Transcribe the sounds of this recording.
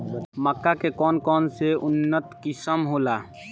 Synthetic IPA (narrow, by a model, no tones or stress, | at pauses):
məkːakekɔːnkɔːnseʊnːət̪kɪsəmɦoːlaː